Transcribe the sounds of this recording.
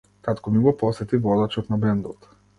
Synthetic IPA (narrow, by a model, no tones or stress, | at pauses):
kat̪kɔmiɡɔpɔsɛt̪ivɔd̪at͡ʃɔt̪nabɛnd̪ɔt̪